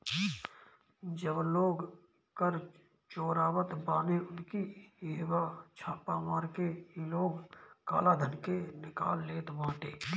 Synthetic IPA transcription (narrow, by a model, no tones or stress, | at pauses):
d͡ʒəbloːɡ | kəɾ | t͡ʃoːɾaːwət̪baːneʊnkieːwat͡ʃʰaːpamaːɾkeloːɡka̰ːlad̪ʱənkenɪka̰ːlːeːt̪ʋãːʈeː